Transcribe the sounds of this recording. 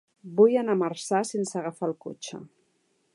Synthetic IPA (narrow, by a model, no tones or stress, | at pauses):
bujanamarsasensəɣafalˠkot͡ʃə̰